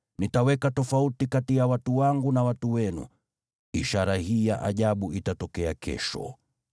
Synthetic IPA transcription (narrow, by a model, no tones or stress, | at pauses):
nitawɛkatɔfautikatijawatuwaŋɡunawatuwɛnṵ | iʃaɾahijaʔa̰ʄaɓuʔitatɔkɛakʰɛ̰ʃɔ̰